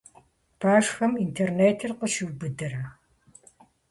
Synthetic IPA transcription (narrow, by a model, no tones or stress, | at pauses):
pʰaːʂxɐmintʰerneːtʰɨrqəʃuwbɨdɐɾɐ